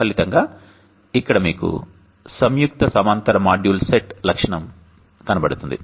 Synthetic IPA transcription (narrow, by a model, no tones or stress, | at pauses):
kɐlit̪ɐŋɡaː | ikːɐɽɐmḭːkṵ | sɐmjuk̚t̪ɐsɐmɐnt̪ɐɾɐmaːɖjuːlseʈlɐkʂɐɳɐm | kɐnɐbɐɽut̪und̪ḭ